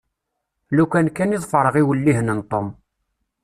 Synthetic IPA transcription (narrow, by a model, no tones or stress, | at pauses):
lukænkːæniðˤfəɾˤəʁiwəlːiɦnənt̪ˤom